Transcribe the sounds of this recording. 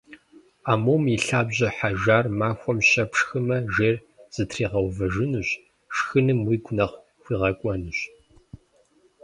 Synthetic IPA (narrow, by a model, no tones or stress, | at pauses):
aːmoːmiɬaːbʑɐħaʒaːrmaːxʷɔmɕɐpʂxɨmɐʒeːr | z̥ɨtʰriːʁɐwvɐʒɪnɨɕ | ʂxɨnɨmwiːɡʷʊnɐχ | xʷiːʁɐkʷʼɔnɨɕ